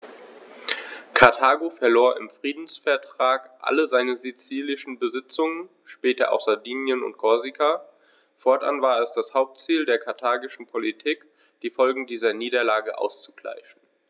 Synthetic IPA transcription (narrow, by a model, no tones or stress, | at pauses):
kʰaɐtʰaːɡofɛɐloːɐʔɪ̰mfʁ̥iːdn̩sfɛɐtʁ̥aːkʔa̰ləzaɪnəzit͡siːlɪʃn̩bəzɪt͡sʊŋən | ʃpɛːtɐ̰ʔa̰ʊxz̥adiːnjənʊ̰nt̚ɡ̥ɔɐzika | fɔɐtʔa̰nvaːɐɛsd̥ashaʊp̚tt͡siːldeːɐkʰaɐtʰaːɡɪʃn̩pʰolitʰiːk | d̥iːfɔlɡŋ̩diːzɐniːdɐlaːɡəʔa̰ʊst͡su̥ɡ̥la̰ɪʃn̩